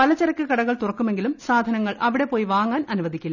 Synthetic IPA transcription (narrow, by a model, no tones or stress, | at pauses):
pɐlɐt͡ɕːɐɾɐkːɨkɐɽɐɣɐɭt̪urɐkːume̞ŋɡilumsaːd̪ʱɐnɐŋːɐɭʔɐʋiɽe̞poːjʋaːŋːaːnɐnuʋɐd̪ikʲːilːɐ